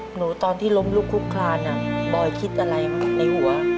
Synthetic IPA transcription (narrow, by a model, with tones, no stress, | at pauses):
nuː˩˦t̪ɔː˧nt̪ʰiː˥˩lo˧mluː˥˩kʰːu˦˥kʰlaː˧nʔa˥˩bɔː˨˩jkʰi˦˥t̪̚ʔa˧ɾa˧jna˧jhu˨˩˦ɐ